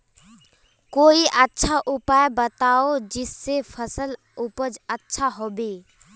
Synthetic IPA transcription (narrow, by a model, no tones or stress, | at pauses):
koiʔətːʃʰaʔupajbət̪aod͡ʒisːepʰəsəl | upəd͡ʒətːʃʰaɦobe